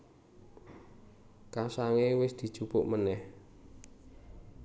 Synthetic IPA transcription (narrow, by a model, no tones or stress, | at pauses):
kasaŋewɪsd̪̥i̤̥t͡ʃupʊʔmənɛh